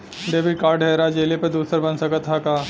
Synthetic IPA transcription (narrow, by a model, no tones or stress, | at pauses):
ɖeːbikaːɾɖɦɛːɾad͡ʒeːlepɐɾd̪uːsəɾbɐnsəkət̪ɦakaː